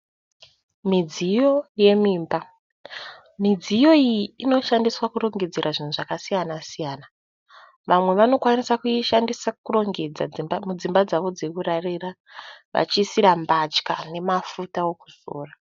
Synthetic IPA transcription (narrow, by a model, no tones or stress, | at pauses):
mid͡zijo̞je̞miːmba | mid͡zijo̞ijiːno̞ʃandiswakuɾo̞ŋɡe̞d͡zeɾʔaʐin̤uʐakasijanasijaːna | ʋamwe̞ʋano̞kwanisakuiʃandisakuro̞ŋɡed͡zad͡zimbamud͡zimbad͡zaʋo̞d͡ze̞kurarira | ʋa̰t͡ʃisiɾambat͡ʃkane̞mafutao̞kuz̥o̰ːra